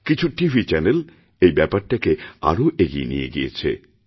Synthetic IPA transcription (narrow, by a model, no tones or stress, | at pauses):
kit͡ɕʰuʈiʋit͡ɕænel | ejbɛpɐtːɐkːeɐ̰ɾuʔeɡḭjnḭjḛɡijḛt͡ɕʰːḛ